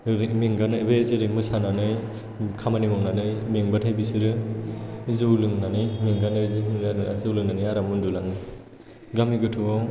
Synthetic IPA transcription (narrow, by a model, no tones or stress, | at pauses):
ɾmiŋɡanɯbezɯɾimɯsananɯj | kʰamanimɔŋnanɯjmiŋbatʰajbisɯɾɯ | zɯwlɯŋnanimiŋɡanɯjdɯaazɯwlɯŋnaniaɾamɯndulaŋɯ | ɡamiɡɯtʰuɔ